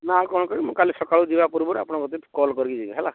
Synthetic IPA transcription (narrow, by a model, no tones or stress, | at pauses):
nakɔnɔkɔɾiimũkalisɔkaɭud̪ibapuɾbɔɾa̰pɔɽ̃ɔkɔt̪ikɔlkɔɾikid͡ʒibiɦɛla